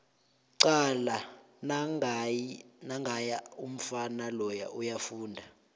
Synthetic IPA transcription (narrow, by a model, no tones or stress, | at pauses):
ǀala | na | naŋɡʱajaum̩fanalɔja̰ujafuːndʱa